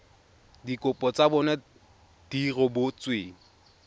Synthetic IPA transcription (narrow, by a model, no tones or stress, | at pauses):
dikʼʊpʼɔt͡sabɔnɛ | d̥irɔbʊt͡sweːŋ̩